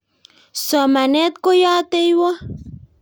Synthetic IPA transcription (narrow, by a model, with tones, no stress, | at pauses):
sɔ˨ma˨ne˦t̪̚ko˦ja˦t̪e˦jwa˦